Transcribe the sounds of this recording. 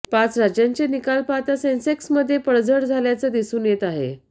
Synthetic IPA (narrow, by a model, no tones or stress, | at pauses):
pat͡sɾad͡ʑjaɲt͡ɕenikalpat̪asenseksməd̪ʱːjepəɽd͡zəɽd͡zʱaljat͡səd̪isuːnjet̪aɦḛ